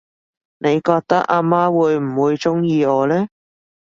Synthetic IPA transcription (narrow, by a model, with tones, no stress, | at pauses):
ne˨˧jkɔː˧k̚t̪ɐ˥k̚aː˧maː˥wuː˨˧jm̩˨˩wuː˨˧jt͡sʊ˥ŋjiː˧ɔː˨˧lɛː˥